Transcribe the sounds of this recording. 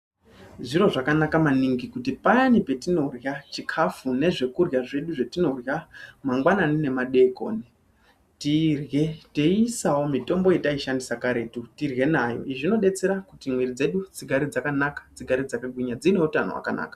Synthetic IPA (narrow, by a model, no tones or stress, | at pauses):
ʐiro̞ʐakanakamaniŋɡikutipajanipe̞tino̞rjat͡ʃikʰafune̞ʐe̞kurjaʐe̞ɗuʐetino̞rjamaŋɡwananine̞maɗe̞ko̞ːni | tirjetesawo̞mito̞mbo̞jetaiʃandisakaɾe̞tutirɣe̞najo̰iʐino̞ɗe̞t͡se̞ɾakutimweɾid͡ze̞ɗud͡ziɡʱaɾid͡zakanakḁd͡ziɡʱaɾid͡zakaɡwiɲad͡zine̞utanowa̰ka̰na̰ːka